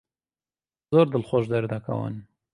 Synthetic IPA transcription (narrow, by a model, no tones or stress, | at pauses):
zoːɾd̪ɨlχoʒd̪ɐɾd̪ɐkʰɐ̰wə̰n